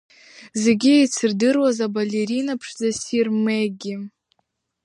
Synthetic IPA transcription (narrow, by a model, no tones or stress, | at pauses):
zeɡʲiejt͡sʰɨrdɨrwazabalʲeɾinapʰʂd͡zasirmeɡʲɪ